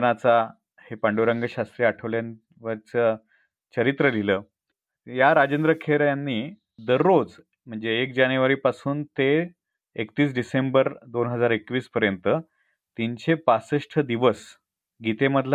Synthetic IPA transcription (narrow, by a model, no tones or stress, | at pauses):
nat͡sa | hepaɳɖoɾəŋɡəɕast̪ɾiːaʈʰəʋljan | ʋəɾt͡sə | t͡ɕəɾit̪ɾəliləː | jaɾad͡ʑend̪ɾəkʰeɾjanːiː | d̪əɾːod͡z | m̤əɳd͡zeːkd͡ʑanjuʋaɾiːpasuːnt̪eː | kt̪iːs̬ɖisembəɾd̪onɦəd͡zaɾekʋiːspəɾjənt̪ə | t̪iɲt͡ɕepasəʂʈʰəd̪iʋəs | ɡʱit̪eməd̪ʱl